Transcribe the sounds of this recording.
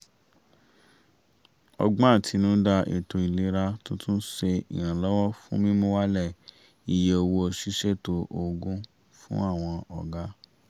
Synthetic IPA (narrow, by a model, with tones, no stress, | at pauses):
ɔ̰˧ɡ͡bɔ̃˦a˦˨tʰi˨˧˦nũ˦da˧ʔḭ˨to˧i˨le˨˦ɾa˦to˦tũ˦ʃe˧ḭ˨j̃ã˨lɔ˦wɔ˦fṵ̃˦mĩ˦mũ˦wa˦lɛ˦˨ | i˨je˨o˧wo˧˦o˧ʃi˦ʃe˦˨to˧ʔo˧ɡũ˦ | fṵ̃˦a˦˨w̃ɔ̃˧ɔ˨ɡa˦